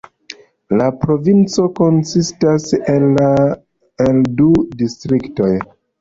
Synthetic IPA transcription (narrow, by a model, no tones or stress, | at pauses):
lapɾo̞vint͡so̞ko̞nsistaselːa | eldudistɾikto̞j